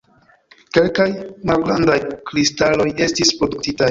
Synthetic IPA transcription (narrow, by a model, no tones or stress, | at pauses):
ke̞lkajmalɡɾandajkɾistalo̞je̞stispɾo̞duktita